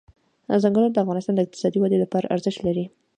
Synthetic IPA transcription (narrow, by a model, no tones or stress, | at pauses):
zaŋɡəlaɾd̪əafɣɑnɪst̪ɑnd̪əɪq̚t̪ɪ̥sɑd̪iwad̪elapɑɾa̰ʔaɾzəʃt̪laɾi